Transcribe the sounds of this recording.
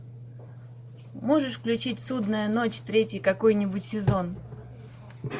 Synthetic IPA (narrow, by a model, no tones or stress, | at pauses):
moʐɨʂfklʲʉt͡ɕitʲsud̪nəjəno̞t͡ɕʲt̪ɾʲetʲjəkɐko̞jnʲɪbʊtʲsʲɪzo̞n